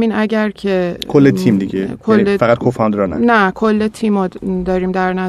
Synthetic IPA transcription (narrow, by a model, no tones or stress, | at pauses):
miːnæɟæɾcʰekʰolːet̪ʰimd̪iɡekʰolːefæʁæt̪̚kʰofɒnd̪ɾɒnæ̰nækʰolːet̪ʰiːmːɒːd̪ɒːɾiːmd̪æɾnæ